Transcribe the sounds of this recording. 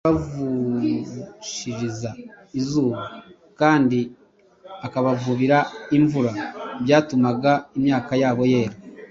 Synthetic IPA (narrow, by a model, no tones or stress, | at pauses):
avu | ʃiɾiza | izuːβa | kaːndi | akaβavuβiɾaiɱvuɾaβjaːtumaɡaimɲaːkajaːβo̞je̞ːɾa